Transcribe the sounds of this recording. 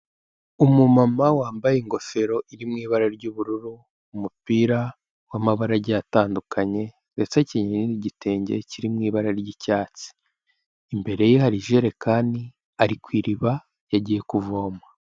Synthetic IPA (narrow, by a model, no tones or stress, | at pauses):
umumamawaːmbajeiŋɡo̞fe̞ɾo̞ʔiɾimŋiːβaɾaɾɟuːβuɾuɾuː | mupiːɾa | wamaβaɾaɾɟjataːndukʰaɲe̞ | ɾet͡saciɲeɲniniɟite̞ːɲɟe̞̰ciɾimŋiːβaɾaɾɟicaːt͡si̥ː | mbe̞ɾe̞jihaɾiʒe̞ɾe̞kaːndi | aɾikwiːɾiβa | jaɟiːje̞kuvo̞ːmwa